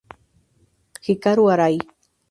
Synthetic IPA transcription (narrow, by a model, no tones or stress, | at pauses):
hɪkaɾwaɾaj